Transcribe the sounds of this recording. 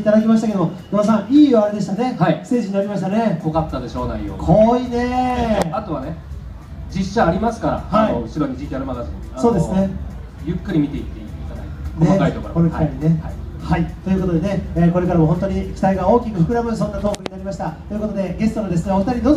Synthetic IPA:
it̪ad̪akʲimaɕ̬i̥t̪ake̞d̪omomonas̬ãɰ̃iːoaɾed̪e̞ɕ̬i̥t̪ane̞haist̪e̞ːʑiɲ̟inaɾʲimaɕ̬i̥t̪ane̞ɡokat̪ːad̪e̞ɕo̞ːnaijo̰kʰoine̞at̪o̞βane | d͡ʑiɕːaːɾʲimasɨ̥kaɾa̰haioɯ̟ɕiɾoɲ̟id͡ʑikʲiaɾɯmad̪asi | aso̞ːd̪e̞sɨne | jɯ̟kːɯ̟ɾʲimʲit̪e̞it̪ːeit̪ad̪a̰it̪k̪oemakait̪okokomkaiɲine̞hai | hait̪o̞jɯ̟ko̞t̪o̞d̪e̞ne̞eːko̞ɾe̞kaɾamoɦont̪o̞ɲ̟ikʲi̥t̪aiɡao̞ːkʲikɯ̟hɯkɯ̟ɾabɯ̟sõ̞nːat̪o̞ːkɯɲ̟inaɾʲimaɕi̥t̪at̪o̞jɯ̟ko̞t̪o̞d̪e̞ɡe̞sɨ̥t̪o̞nod̪e̞sɨneoɸɯ̟̥t̪aɾʲid̪o

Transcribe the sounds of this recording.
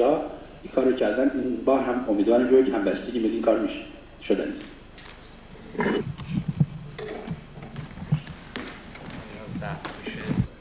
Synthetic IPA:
ɒː | ikʰɒːɾocʰæɾd̪æninbɒːɾɦæmomiːd̪vɒːɾimʃocʰhæmbæst̪eɟʲimid̪imkʰɒːɾmiʃ | ʃod̪æ̰nis | sæt̪i

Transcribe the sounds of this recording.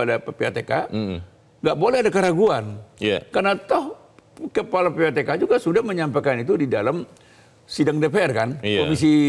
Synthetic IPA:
adapepeat̪eka | ŋɡaʔbolɛhadakəɾaɡuanja̰karnat̪ɔh | kəpalapeat̪ekad͡ʒuɡasudahməɲampajkanit̪udidalam | sidaŋdepeɛrkankomis̬i

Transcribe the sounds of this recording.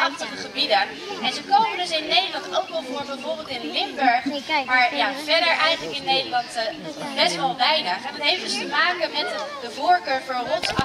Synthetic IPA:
ɑχtəχəχəbidə | ɛnzəkowməndɵsɪnːejdəlɑntowkʋɛlˠvoːɹbɛjvʊːɹbɪːlˠtɪnlɪmbɛɹχmaːɹjavɛɹdəɹʔɛjχələkɪnːejdəlɑntbɛstʋɑlˠʋɛjnəχɛndɑnɦejftəstəmaːkəmɛtdəvʊːɹkøːɹfɔːrɔtsɑ

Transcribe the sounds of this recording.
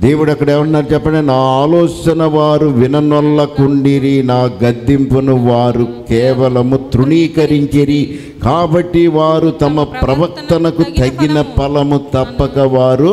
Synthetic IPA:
d̪eːwuɽɐkːɐɽeːmɐɳʈuːnaːɾut͡ʃɛpːɐɳɖenaːaːlɔːt͡ʃɐnɐʋaːɾuʋinɐnɔlːɐkuɳɖiɾinaːɡɐd̪ːimpunuʋaːɾukɛːʋɐlɐmut̪ɾuɳiːkɐɾiɲt͡ʃiɾi | kaːbɐʈːiʋaːɾut̪ɐmɐpɾɐʋɐk̚t̪ɐnɐkut̪ɐɡːinɐpɐlɐmut̪ɐpːɐkɐʋaːɾu

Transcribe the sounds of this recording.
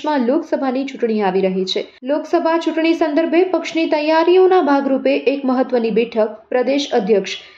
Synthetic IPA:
mãloksəbʱanit͡ʃuʈɳ̃iaʋiɾəɦet͡ʃʰe | loksəbʱat͡ʃuʈɳ̃isə̃nd̪əɾbʱepəkʃnit̪əjaɾionabʱaɡɾupeʔːkməɦət̪ːʋənibɛʈʰək̚pɾəd̪eʃəd̪ʱjəkʃ

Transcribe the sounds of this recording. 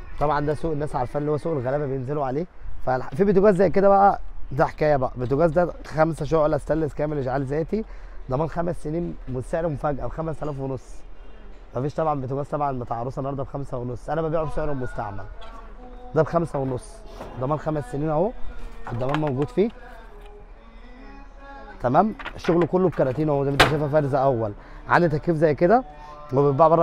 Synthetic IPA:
t̪ˤɑbʕɑnd̪æsuːʔenːæːsʕɑɾfænlːihowːæsuːʔelɣælæːbæbejenzeloʕaleː | fæfiːbet̪̬oɡæːzːæjk̬ed̪æbæʔæd̪æħe̥kæːjæbæʔæ̰bet̪̬oɡæːzd̪æ | xæmsæʃ̬oʔlæst̪ælːeskæːmeleʒʕaːlzæːt̪id̪ˤɑmæːnxæmæsːeniːnmost̪æʕɾemofæɡʔæbxæmæst̪ælæːfwenosˤː | mæfiːʃt̪ˤɑbʕanbet̪eɡæːst̪ɑbʕanbet̪ʕɑɾˤosˤɑʔenːhɑɾˤd̪ɑbexæmsæwenosˤːʔænæbæbeːʕobseʕɾobmost̪a̰ʕmæ̰l | d̪æbxæmsæwenosˤːd̪ˤɑmæːnxæmæsːeniːnʔoed̪ːɑmæːnmæwɡuːd̪fiː | t̪æmæːmʃoɣlokolːob̚kɑɾˤɑt̪iːnʔod̪æment̪æʃ̬æːfæfæːɾzæʔæwːæl | ʕa̰nd̪it̪ækːiːfzæjːked̪æ | webet̪̚baʕbɑrˤːɑ

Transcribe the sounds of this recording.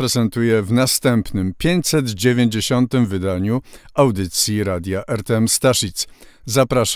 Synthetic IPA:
ɾɛzɛnt̪ujɛvnast̪ɛmpnɘmpʲjeɲt͡ɕʲsɛd̪d͡ʑevʲjeɲd͡ʑeɕɔnt̪ɘmvɘd̪aɲuawd̪ɘt̪sʲjiɾad̪ʲjaʔɛɾt̪ɛɛmst̪aʂit̪s | zapɾaʂ

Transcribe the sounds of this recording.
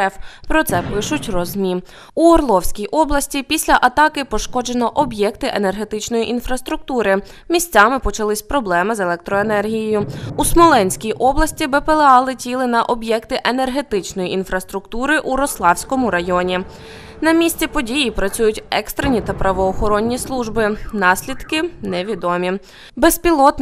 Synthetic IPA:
fpɾɔt̪sɛpɪʃʊtʲrɔzʲmʲi | uɔrlˠɔwsʲkʲijʔɔblˠɐsʲtʲipʲisʲlʲɐʔɐt̪ɑkɪpɔʃkɔd͡ʒenɔʔɔbjɛkt̪ɪʔene̞rɦe̞t̪ɪt͡ʃnɔjiʔinfɾɐst̪ɾʊk̚t̪uɾɪ | mʲisʲt͡sʲɑmɪpɔt͡ʃɐlˠɪsʲpɾɔblˠɛmɪzelˠɛk̚t̪ɾɔenɛrɦʲijejʊusmɔlˠɛnʲsʲkʲijʔɔblˠɐsʲtʲibɛpelˠeɑlˠɪtʲilˠɪnɐʔɔbjɛkt̪ɪʔenerɦe̞t̪ɪt͡ʃnɔjiʔinfɾɐst̪ɾʊkt̪uɾɪʔuɾɔslˠɑwsʲkɔmʊɾɐjɔnʲi | nɐmʲisʲt͡sʲipɔdʲijipɾɐt͡sʲujʊtʲɛkst̪ɾenʲit̪ɐpɾɐʋɔːxɔɾɔnʲːislˠuʒbɪnɑsʲlʲid̪kɪnɛʋʲid̪ɔmʲi | bespʲilˠɔt̪

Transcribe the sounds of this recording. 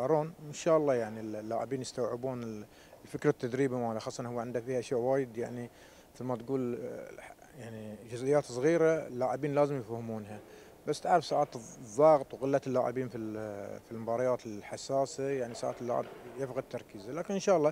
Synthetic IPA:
ɑɾˤuːnwɪnʃaːʔɑlˤːɑːjaʕnillːaːʕɪbiːnjɪst̪awʕɪbuːnɪl | lfɪkɾˤat̪ːad̪ɾiːbamaːlaxɑːsˤːʔɑnhʊwːaʕɪnd̪afiːhʔaʃjaːʔwaːjɪd̪jaʕni | mɪθɪlmat̪ɡuːl | jaʕnid͡ʒʊzʔɪjːaːt̪sˤɣiːɾaɪlːaːʕɪbiːnlaːzɪmjɪfhmuːnɦa | basːt̪aʕɾɪfsaːʕaːt̪ðˤːɑːɣt̪ˤwɣɪlːat̪ɪlːaːʕɪ̰biːnfilfilmʊbɑːɾˤɑjaːt̪ɪlħasːaːsajaʕnisa̰ːʕa̰t̪ɪlːa̰ːʕɪ̰bjɪfɣad̪t̪ːɑɾˤkiːzalaːkɪnʔɪnʃɑːʔɑlːɑː

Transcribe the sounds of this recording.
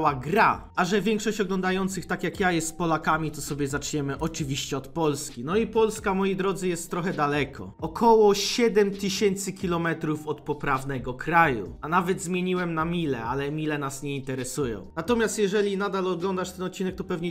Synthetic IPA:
waɡɾa̰ | aʐɛvʲjɛŋkʂɔɕt͡ɕɔɡlɔnd̪ajɔnt̪sɘxt̪akjakjajɛst̪ːpɔlakamʲit̪ɔsɔbʲɛzat͡ʂɲɛmɘʔɔt͡ʂɘvʲiɕt͡ɕɛɔt̪pɔlskʲinɔipɔlskamɔjid̪ɾɔd̪zɘjɛst̪ːɾɔxɛd̪alɛkʰɔ̰ɔkʰɔwɔɕɛd̪ɛmt̪ɘɕɛnt̪sɘkʲilɔmɛt̪ɾufɔt̪pɔpɾavnɛɡɔkɾajṵanavɛd̪zmʲjeɲiwɛmnamʲilɛ̰alɛmʲilɛnasɲɛint̪ɛɾɛsujɔ̰̃w̃nat̪ɔmʲjast̪jɛʐɛlʲinad̪alɔɡlɔnd̪aʂt̪ɛnɔt̪̚t͡ɕːinɛk̚t̪ɔpɛvɲɛ

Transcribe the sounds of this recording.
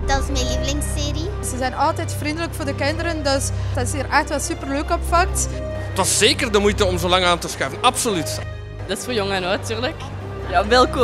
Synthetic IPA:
d̥ɑtɪsmelivəlɪŋseːri | zəzɛjnɑlˠtɛjtfrindələkfʊːrdəkɪndəɾəndøsd̥ɑtɪsiːrʔɛxtʋɛlˠsypərløːkɔpfɑk̚tətʋɑszeːkərdəmujtəɔmzolɑŋaːntəsxɛjvənɑpsolyt | d̥ɑtɪsfoːrjɔŋənontyːrlək | jabɛlˠku

